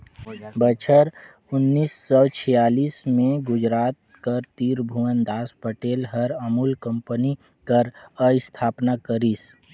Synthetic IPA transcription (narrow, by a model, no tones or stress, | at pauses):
bət͡ʃʰəɾ | ʊnːiːsːɔt͡ʃʰijaːliːsmẽɡʊd͡ʒɾaːt̪̚ | kəɾt̪iːɾbʱuwənd̪aːspəʈeːlɦəɾəmuːlkə̃mpəni | kəɾəɪst̪ʰaːpnakəɾiːs